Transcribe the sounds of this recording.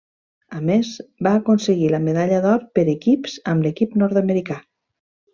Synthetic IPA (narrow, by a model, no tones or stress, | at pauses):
əmezbaːkonseɣiləmeðaʎəðɔɾpəɾekipzəmlekipnɔɾt̪əmeɾika